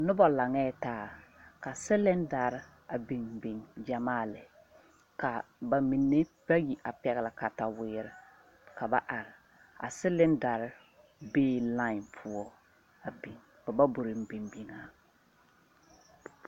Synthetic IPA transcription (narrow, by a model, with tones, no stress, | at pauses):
nʊ˦bɔ˨la˨ŋɛː˦˨taː˨˦˨ka˨sɪ˦lɪ˦nda˨ɾɪ˦ | a˨bi˨ŋbi˨ŋd͡ʒa˨maː˦˨lɪ˨ | ka˨ba˨mi˨nːe˦ | b̥a˦ji˨ʔa˨pɛ˨ɣɪ˨la˨ka˨ta˨wɪː˦ɾɪ˨ | ka˨ba˨ʔa˨ɾɪ˨ | a̰˨sɪ˦lɪ˦nda˨ɾɪ˦ | beː˦la˦ɪ˨npʰʊ˦ɔ˦ | a˨bi˨ŋ | ba˨ba˦bʊ˨ɾɪ˨m̩˦bi˨ŋbi˨ŋa˨